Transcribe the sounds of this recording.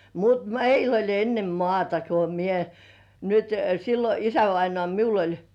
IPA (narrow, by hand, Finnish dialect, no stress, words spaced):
mut meil olʲ enːe mŏɑˑtɑ ko mie nyt silːo isæʋɑinŏɑˑ miul olʲ